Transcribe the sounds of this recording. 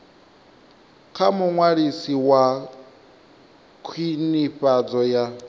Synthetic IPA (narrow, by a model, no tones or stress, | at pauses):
kʰamuŋwaɺisiwa | kʰwiniɸad͡zɔja